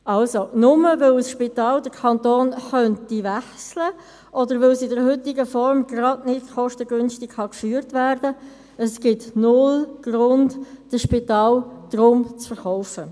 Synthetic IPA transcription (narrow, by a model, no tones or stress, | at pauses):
ɑlsonʊməvɪlsʃpitɑːldəɾkʰɑntoːnχœntiʋæχslə | ʔɔdəɾʋɪlsɪdəɾhʏtɪɡəfɔɾmɡrɑdnɪdχɔʃtəɡʏnstɪkχɑkfyːɾtʋæɾdə | əsɡ̥ɪtnʊlɡ̥rʊndd̥əʃpitɑːld̥ɾʊmt͡sfəɾχɔʊfə